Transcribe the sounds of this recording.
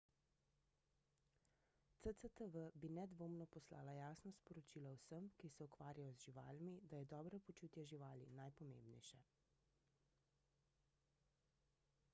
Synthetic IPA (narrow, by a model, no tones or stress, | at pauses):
t̪sət̪ət̪əʋəbinɛd̪ʋoːmnɔpɔsla̰ːlajaːsnɔspɔɾɔt͡ʃiːlawsəmkisɛukʋaːɾʲjajɔzʒiʋa̰ːlmid̪ajɛd̪ɔːbɾapɔt͡ʃuːt̪jɛʒiʋaːlinajpɔmḛmbnɛ̰jʃɛ